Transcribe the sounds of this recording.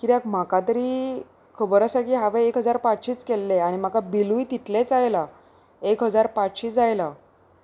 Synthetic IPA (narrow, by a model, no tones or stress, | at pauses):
kiɾjakm̤akat̪əɾiː | kʰəbəɾasakiːɦaʋejekɦəd͡zaɾpat͡sɕiːt͡skelːeañim̤akabiluit̪it̪let͡sajla | ekɦəd͡zaɾpat͡sɕiːt͡sd͡zajla